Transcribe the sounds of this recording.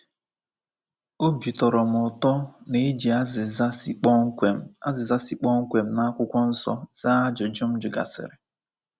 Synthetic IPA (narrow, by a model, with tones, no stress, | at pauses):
o˦bi˨tɔ˨ɾɔ˨m̩˨ʊ˨tɔ˦ne˨˦d͡ʒi˨a˦zɪ˨za˦si˦k͡pɔ˦ŋ̩˦kʷe˨a˦zɪ˨za˦si˨k͡pɔ˦ŋ̩˦kʷe˨m̩˦na˦kʷʊ˦kʷɔ˦n̩˦sɔ̰˦za˦a˦d͡ʒʊ˨d͡ʒʊ˦m̩˦d͡ʒʊ˨ɡa̰˨sɪ̰˨ɾɪ˨